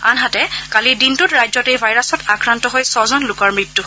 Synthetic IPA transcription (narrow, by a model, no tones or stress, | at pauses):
anɦatɛkalidintutɹajzɔtejbʱajɹasɔtakɹantɔɦojsɔzɔnlʊkɔɹmɹitːu